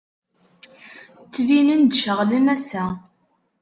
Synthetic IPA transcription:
t͡sːvinənd̪ʃəʁlənæsæ

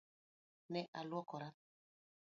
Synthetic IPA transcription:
nɛʔalwɔkɔɾa

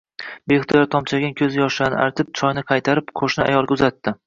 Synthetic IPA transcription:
beht̪ʰɒjɒt̪ʰɒmt͡ʃʰaɡʲankʲʰɵzjɒʃanɪʔa̰ɾt̪ʰɪp̚t͡ʃʰɒjnɪqʰɑjt̪ʰaɾɪpqʰoʃnɪa̰jɒlˠɡʲaʊzat̪ːɪ

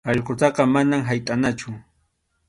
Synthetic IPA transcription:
ɑʎqʊt̪ɑqɑmanamɦajt̪ʼanat͡ʃʊ

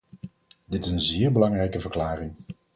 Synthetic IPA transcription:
dɪtɪsənzɪːɹbəlɑŋrɛjkəvəɹklaːrɪŋ

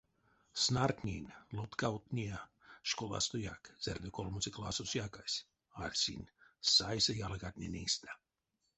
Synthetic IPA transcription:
snart̪ʲnʲinʲlut̪kawt̪nʲiəʃkolˠa̰st̪ojakz̥erd̪ʲokolˠmusʲiklˠasusjakasʲ | alʲsʲḭnʲsajsajalɡat̪ʲnʲinʲist̪ḁ

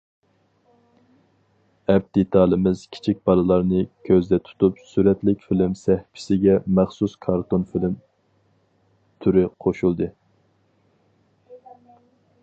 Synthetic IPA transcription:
ɛp̚d̪̥et̪ʰɑːlˠɨmɪz̥kʲʰi̥t͡ʃʰik̚ʲbɑlˠɨlˠɑɾnɨkʲʰøzd̪ɛt̪ʰu̥t̪ʰupsyɾɛt̪lɪkʲfilɪmsɛhpʰɪ̥sɪɡʲɛmæχsuskʰɑɾt̪onfilɪm | t̪ʰyɾɪqʰoʃulˠd̪ɨ

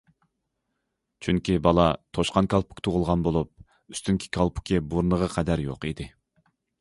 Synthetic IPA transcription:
t͡ʃʰyŋkʲibɑlˠɑt̪ʰoʃqɑnkʰʲɑlˠpʰu̥kʲt̪ʰuʁʊlˠʁɑnbolˠup̚ | yst̪yŋkʲʰi̥kʲʰɑlˠpʰu̥kʲʰebuɾnəʁəqʰɛd̪æɾjo̰qid̪ɪ

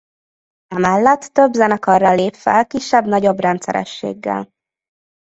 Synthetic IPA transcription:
ɛmɛlːɛt̪ːøbzɛnɒkɒrːɒleːpfɛlkiʃːɛbnɒɟo̞brɛnt̪sɛ̰ɾɛ̰ʃːḛːɡːɛ̰l

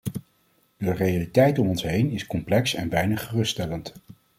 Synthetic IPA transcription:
d̥ərejalitɛjtɔmɔnsɦejnɪskɔmplɛksɛ̰nbɛjnəχərɵstɛlənt

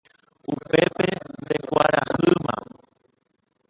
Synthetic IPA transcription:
upepend̪ekʷaɾahɨmã̰

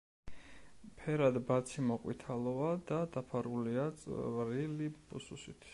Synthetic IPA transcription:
pʰɛɾad̪bat̪sʰimɔqʼwḭt̪ʰalˠɔad̪ad̪apʰaɾuliat̪sʼvɾilibususit̪ʰ

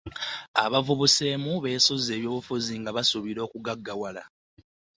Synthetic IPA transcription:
a̰βavuβuse̞ːmuβe̞ːsoze̞ːβjo̞ːβufuziŋɡaβasuβiɾo̞ːkuɡaɡːawala

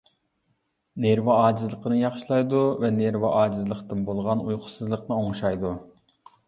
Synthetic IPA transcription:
neɾvɑɑːd͡ʒizlˠəqʰənɨjɑχʃilˠɑjd̪uvɛneɾvɑʔɑːd͡ʒizlˠəqt̪ɨnbolˠʁɑnujqʰʊ̥sɨzlˠəqnɨoŋʃɑjd̪u

